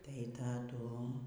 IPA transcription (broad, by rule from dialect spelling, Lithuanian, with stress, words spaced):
tɐɪ tɐˈdʊ